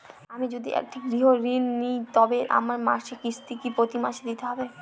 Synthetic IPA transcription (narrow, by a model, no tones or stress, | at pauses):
amid͡ʒod̪iʔḛk̚ʈʰiɡɾiɦoɾinːijt̪ɔbeʔa̰maɾma̰ʃekist̪ikipɾot̪imaʃed̪it̪eɦɔbe